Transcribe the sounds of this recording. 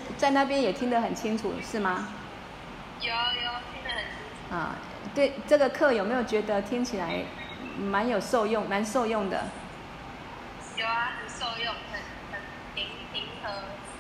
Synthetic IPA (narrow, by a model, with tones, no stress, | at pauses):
t͡sa˥˧ɪna˥˧p̬jɛ˥˦njɛ˨˩t̪ʰi˥ŋd̪ə˨xə˨˩nt͡ɕʰi˥ŋʈ͡ʂʰṵ˨˩ʂɻ̩˥˩mɐ˩ | jo˨˩jo˨˩t̪ʰi˥ŋd̪ə˨hə˨˩nt͡ɕʰi˥ŋʰu˨ɐ̰˥˨ | t̪we˥˩ɪʈ͡ʂɤ˥˨˩ɡə˨kʰɤ˥˩˨jo˨˩me˧˥ɪjo˨˩t͡ɕɥɛ˨˧˥d̪ə˧t̪ʰi˥ŋt͡ɕʰi˨˩la˧˦ɪ | ma˧˦njo˨˩ʊʂo˥˧ʊjʊ˥˩ŋma˧˦nso˥˧ʊjʊ˥˩ŋd̪ə̰˩ | jo˨˧˩a˨ə˨˩so˥˧ʊjʊ˥˨˩ŋkə˨˩n | hə˨˩n | tʰi˦˥ŋt̪ʰi˥ŋkʰɤ˥